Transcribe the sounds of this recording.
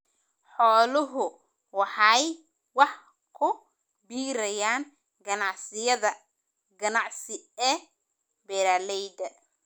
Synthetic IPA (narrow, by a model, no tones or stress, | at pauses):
ħɔːlʊɦʊ | wɑħɑj | wɑħ | kʰʊ | biːɾɐjaːn | ɡɐnɑʕsɪjɐðɐ | ɡɐnɑʕsɪɛː | bɛɾaːlɛjd̪ɐ